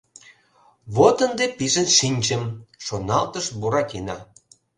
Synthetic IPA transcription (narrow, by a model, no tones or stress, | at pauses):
βot̪ə̆nd̪epiʒənʃinʲt͡ɕəmʃonɑlt̪əʃbuɾɑkenɑ̰